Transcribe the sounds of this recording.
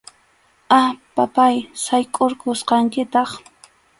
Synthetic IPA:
apapajsajkʼoɾkosqɑŋkɪt̪ɑχ

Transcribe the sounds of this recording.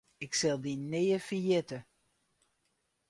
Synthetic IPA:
ɪksɛlˠdinːejəfijɛtə

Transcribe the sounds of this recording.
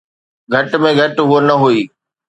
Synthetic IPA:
ɡʱɐʈmẽɡʱɐʈɦuonɐɦuiː

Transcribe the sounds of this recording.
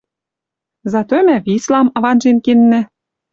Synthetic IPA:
zɑt̪omæβislɑmɑβɑnʒenkenːɘ̆

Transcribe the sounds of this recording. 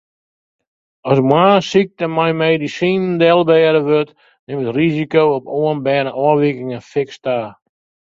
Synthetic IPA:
ɔsmwaːsik̚təmajmeːdisiːndɛlˠbɛːdəʋøt | nɪmətrizikowɔpoənbɛnəʔɔəʋikɪŋəfɪkstaː

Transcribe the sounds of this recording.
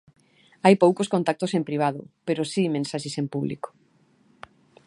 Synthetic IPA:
ajpowkoskõnt̪ak̚t̪osempɾiβ̞aðʊpeɾosimẽnsaʃesempuβlḭko̥

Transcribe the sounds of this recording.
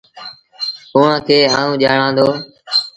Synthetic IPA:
ʊːãːkʰeːaːɳũːʄaːɽãːnd̪oː

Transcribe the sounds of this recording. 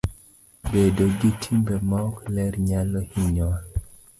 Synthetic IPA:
bedoɡitʰimbemɔklɛrɲalɔhiɲɔa

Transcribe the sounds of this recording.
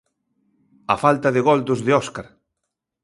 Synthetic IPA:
ɐfalt̪ɐðɪɣɔld̪ʊzðɪɔskaɾ

